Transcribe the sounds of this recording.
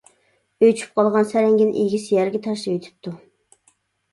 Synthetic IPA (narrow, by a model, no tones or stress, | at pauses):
øjt͡ʃʰy̥p̚qʰɑlˠʁɑnsæɾɛŋɡʲinʔḭjɡʲisɪjɛɾɡʲɛt̪ʰɑʃlˠøjt̪ʰɪ̥p̚t̪ʰːu